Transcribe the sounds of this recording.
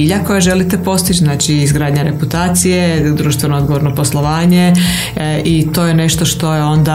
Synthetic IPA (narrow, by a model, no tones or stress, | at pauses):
iʎako̞jaʒe̞lit̪epo̞st̪it͡ʃznaːt͡ʃiizɡɾaːd̪ɲaɾe̞put̪aːt̪sijed̪ɾuːʃt̪ʋe̞nooɡo̞ʋoɾnopo̞slˠo̞ʋaːɲe | it̪o̞jeneʃt̪oʃt̪o̞jeo̞nd̪a